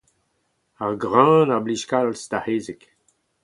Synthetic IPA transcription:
aʁɡʁãnabliʃkallst̪aheːzɛk

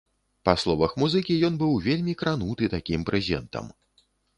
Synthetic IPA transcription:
paslˠɔvɐxmuzɨkʲijɔnbɨwvʲelʲmʲikɾanut̪ɨt̪akʲimpɾʔɛzʲɛnt̪ɐ̰m

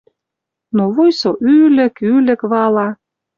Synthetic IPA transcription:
noβojsoʔylɘ̆kylĕkβɑlɑ

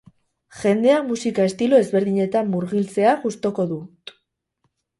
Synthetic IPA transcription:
ʝe̞nd̪e̞amusikae̞st̪ilo̞e̞zβe̞ɾðiɲe̞t̪amːuɾɣilt͡se̞aʝust̪o̞ko̞ðu

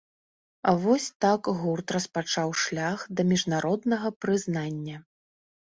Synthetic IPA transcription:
avɔsʲt̪akɣurt̪rɐspat͡ʂawʂlʲaxd̪ɐmʲiʐnaɾɔd̪nɐɣɐpɾɨznanʲːɐ

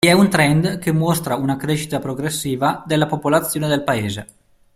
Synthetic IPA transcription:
iɛunt̪ɾɛnd̪kemːɔst̪ɾaunakɾeʃi̥t̪apɾoɡɾesːiːvad̪elapopolat̪sːjoːned̪elpaeːzḛ

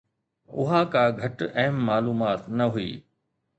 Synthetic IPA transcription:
ʊɦãkãːɡʱɐʈɐɦəmːaːluːmaːt̪nɐɦuḭː

